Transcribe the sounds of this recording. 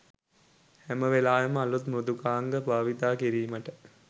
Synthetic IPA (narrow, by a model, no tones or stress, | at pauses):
hæməʋelaːjəməalut̪mɾud̪ukaːŋɡəbaːʋit̪aːkiɾiːməʈə